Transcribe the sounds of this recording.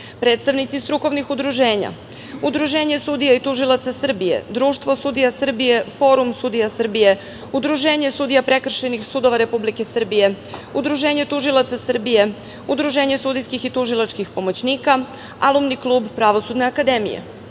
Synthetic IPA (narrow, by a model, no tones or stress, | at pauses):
pɾe̞ːt̪st̪aʋnit̪sist̪ɾuko̞ʋnixud̪ɾuʒeːɲa̰ | ud̪ɾuʒe̞ːɲe̞sud̪ijait̪uʒilˠat̪sasr̩bije̞̰d̪ɾuːʃt̪vʋo̞sud̪ijasr̩bije̞fo̞ːɾumsud̪ijasr̩bije̞ | ud̪ɾuʒe̞ːɲe̞sud̪ijapɾe̞kr̩ʃe̞nixsuːd̪o̞ʋaɾe̞publike̞sr̩bije̞ | ud̪ɾuʒe̞ːɲe̞t̪uʒilˠat̪sasr̩bije̞ | ud̪ɾuʒeːɲe̞sud̪ijskixit̪uʒilˠat͡ʃkixpo̞mot͡ɕniːka | alumniklˠuːbpɾaʋo̞sud̪ne̞akad̪e̞mḭjḛ